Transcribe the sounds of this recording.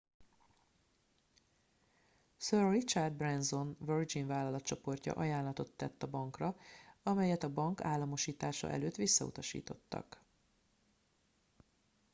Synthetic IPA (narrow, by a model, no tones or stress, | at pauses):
sørrit͡ʃard̪̚brɛnzo̞nvørd͡ʒinvaːlːɒlɒt̪t͡ʃo̞po̞rcɒ̰ʔɒjaːnlːɒt̪o̞t̪ːɛt̪ːɒbɒŋkrɒɒmɛjɛt̪ɒbɒŋkaːlːɒmo̞ʃiːt̪aːʃɒ̰ʔɛ̰løːt̪ʋisːɒṵt̪ɒʃḭːt̪o̞t̪ːɒ̰k